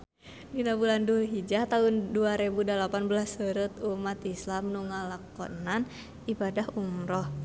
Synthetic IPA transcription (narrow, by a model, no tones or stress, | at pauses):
dinabulanduɦid͡ʒat̪aunduaɾebudalapanbəlasəɾət̪umat̪islamnuŋalakɔ̰nan | ibadahumɾɔh